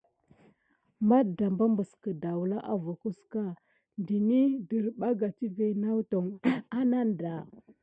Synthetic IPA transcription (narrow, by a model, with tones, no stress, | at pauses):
ma˦dda˨mba˦mbə˨skə˨da˨wu˨la˦ʔa˨vu˨ku˦ska˦ | ndi˨ni˦də˨ɾɓa˦ɡa˨ti˦ve˨na˦wto˨ŋa˦na˦n˨da˨